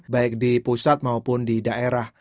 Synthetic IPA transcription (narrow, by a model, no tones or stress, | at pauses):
baɪk̚dipusat̪̚maupʊndidaʔeɾah